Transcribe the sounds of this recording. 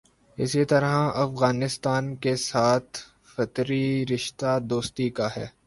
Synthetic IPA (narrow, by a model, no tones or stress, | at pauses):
ɪ̰sit̪ɐɾɦãʔɐfɣaːnɪst̪aːnkesaːt̪ʰ | fɐt̪ɾiɾɪʃt̪ad̪oːst̪ikaɦɛː